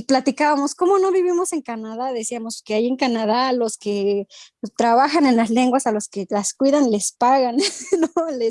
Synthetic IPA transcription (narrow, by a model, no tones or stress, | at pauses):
plat̪ikaβamo̞sko̞mo̞no̞βiβimo̞se̞ŋkanaðaðesiamoskeajieŋkanaðaloske | t̪ɾaβaxane̞nlasle̞ŋɡwasaloskelaskwiðanlespaɣannoles